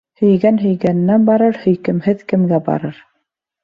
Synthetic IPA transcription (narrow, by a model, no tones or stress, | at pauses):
hɵ̆jɡænɦɵ̆jɡænɘ̆nːænbɑɾɤɾhɵ̆jkɘ̆mhɘðkɘ̆mɡæbɑ̰ɾɤɾ